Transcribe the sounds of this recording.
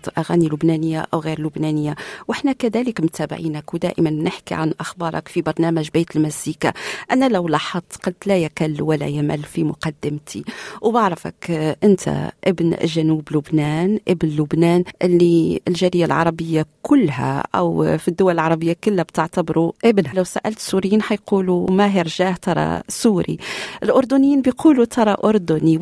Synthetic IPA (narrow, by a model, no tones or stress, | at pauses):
ʔaɣæːnilʊbnænəjːa̰ʔæwɣiːɾlʊbnænəjːawʔɪħnækæðæːləkmʊt̪ʰæːbɪ̰ʕiːnækwd̪æ̰ːʔəmanmnɪħkḭʕa̰nʔaxbɑːɾˤɑ̰kfibɑɾˤnæːmæʒbijt̪əlmæsiːkaʔænælawlɑħɑt̪ˤːqɑlt̪læjakælːwælːæ̰jamælfimʊqɑd̪ːɪmt̪ʰiwbɑʕɾˤɑfa̰kʔɪnt̪ʰæ̰ʔɪbn̰ʒːænuːblʊbnæːnʔɪbnlʊbnæːnʔɪlːiɪlʒæːɾɪjːalʕɑ̰ɾˤɑbɪjːakʰʊlːhæ̰ʔæ̰wfid̪ːʊwalɪlʕɑɾˤɑbɪjːakʊlːæbt̪ɪʕt̪abɾuʔɪbnhælawsa̰ʔælt̪suɾɪjːiːnħajquːlumæjəɾʒaːht̪ɑɾˤɑ̰suːɾḭʔɪlʔʊɾˤd̪ʊnjiːnbɪjqʰuːlut̪ʰɑɾˤɑʔʊɾˤd̪ʊni